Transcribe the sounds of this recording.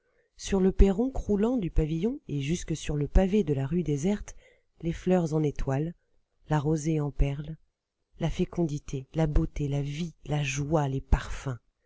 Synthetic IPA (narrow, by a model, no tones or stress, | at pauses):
syʁləpeʁɔ̃kχulɑ̃d̪ypavijɔ̃eʒyskəsyʁləpaved̪əlaʁyd̪ezɛʁt̪ | leflœʁzɑ̃net̪walː | aʁozeɑ̃pɛʁl | lafekɔ̃d̪it̪ʰelabot̪elavilaʒwalepaʁfɛ̃